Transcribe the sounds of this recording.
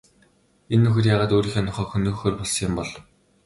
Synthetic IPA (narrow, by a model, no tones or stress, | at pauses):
enːɵxɘ̆rjaːʁaːt̪oːɾiːxɔnɔ̆χɔːxɵnɵ̆ːxoːrpɔɮsɪmpɔɮ